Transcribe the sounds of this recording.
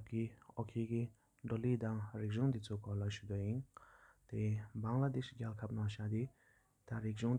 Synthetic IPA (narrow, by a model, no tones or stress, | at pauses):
p̚kiɔkʰiːki | ɖ͡ʐoliːt̪aŋɹik̚ʑuŋt̪it͡sʰukɔlaɕud̪ojint̪ebaŋlad̪eɕɡalkʰap̚naɕat̪i | t̪aɾik̚ʑuŋ